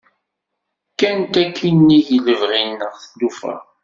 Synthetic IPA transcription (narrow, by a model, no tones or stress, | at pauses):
kːænt̪ækːinːijələvʁinːəʁθədufæ̰